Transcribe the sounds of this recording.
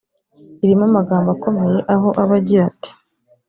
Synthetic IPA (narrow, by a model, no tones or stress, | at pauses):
iɾimamaɡaːmbako̞me̞je̞ʔaɦo̞ʔaβaɟiɾati̥